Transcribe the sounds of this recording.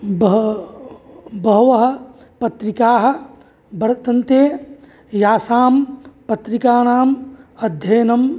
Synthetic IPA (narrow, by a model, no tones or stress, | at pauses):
b | bɐɦʋɐɦɐ̆ | pɐt̪ɾikaːɦɐ̆ | bɐɾɐt̪ɐnt̪eː | jaːsaːmpɐt̪ɾikaːnaːmɐd̪ʱjɐjnɐm